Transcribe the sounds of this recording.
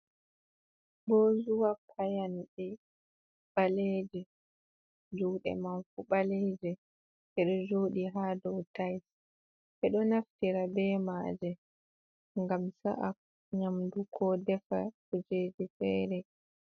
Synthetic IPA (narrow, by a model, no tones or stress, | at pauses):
bɔːzuwapʰajanɗɛ | ɓalɛd͡ʒɛ | d͡ʒuwɗɛ̰manfuɓalɛːd͡ʒɛ | ʔɛɗɔd͡ʒoːɗiɦaːdɔwtajs | ʔɛɗɔnaftiɾabɛːmaːd͡ʒɛ | ŋɡamsa̰ʔa | ɲamdukʰɔdɛfa̰kud͡ʒeːd͡ʒifɛːɾɛ